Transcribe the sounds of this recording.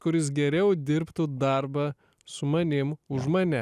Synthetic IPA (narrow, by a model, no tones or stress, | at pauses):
kʊɾʲɪsɡʲɛɾʲɛʊd̪ʲɪɾpt̪ud̪ɐɾbɐ | sʊmɐnʲɪmʊʒmɐnʲɛ